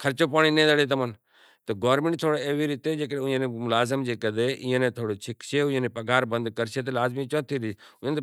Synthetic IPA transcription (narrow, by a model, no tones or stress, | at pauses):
kʰɐɾt͡ʃopaːɽ̃inẽːd̪əɽet̪ɐmən | t̪ɐɡoːɾmẽɳʈ̚t̪ʰoːɽoeːʋiɾit̪ed͡ʒeːkəɽʊ̃ẽnẽmʊlaːzɪmd͡ʒeːkɐd̪eʔɪ̃ə̃nẽt̪ʰoːɽot͡ʃʰɪkʃʰeʊ̃ẽːnepɐɡaːɾbɐ̃nd̪kɐɾʃet̪ɐlaːzmit͡ʃãt̪ʰiɾiʊə̃n